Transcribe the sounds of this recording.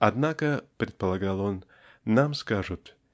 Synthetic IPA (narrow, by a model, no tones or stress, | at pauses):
ɐd̪nakəpɾʲɪt̪̚pəlˠɐɡalˠonː | amskaʐʊt̪